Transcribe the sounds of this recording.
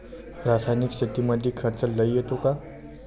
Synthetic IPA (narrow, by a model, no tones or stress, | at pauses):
ɾaːsaːjnɪksɪt̪imɐd̪ʱjikʰɐɾt͡ʃəlːɐiet̪okaː